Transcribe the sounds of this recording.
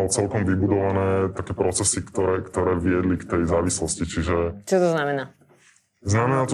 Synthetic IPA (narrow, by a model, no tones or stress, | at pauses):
alt͡sɛlkɔmʋibud̪ɔʋanɛːt̪akɛːpɾɔt͡sɛsikt̪ɔɾɛːkt̪ɔɾɛːʋɪɛd̪likt̪ɛjzaːʋislɔscit͡ʃiʒɛt͡ʃɔt̪ɔznamɛnaː | znamɛnaːt̪